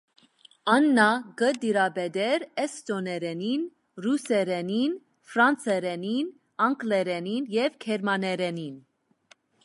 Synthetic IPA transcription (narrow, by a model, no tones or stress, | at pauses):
ɑnːɑɡəd̪iɾɑbɛd̪ɛɾɛst̪ɔnɛɾɛnin | rusɛɾɛnin | fɾɑnt͡sɛɾɛnin | ɑŋklɛɾɛninjɛvkʰɛɾmɑnɛɾɛnin